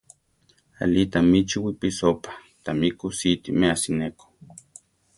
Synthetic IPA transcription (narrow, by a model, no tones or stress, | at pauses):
a̰lit̪amit͡ʃiwipisopḁt̪amikusit̪imeasineko̥